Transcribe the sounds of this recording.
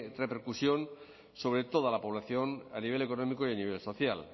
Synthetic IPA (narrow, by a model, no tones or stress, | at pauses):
repe̞ɾkusjo̞n | so̞β̞ɾe̞t̪o̞ð̞alapo̞βlaθjo̞naniβe̞le̞ko̞no̞mikoianiβ̞e̞lso̞θjal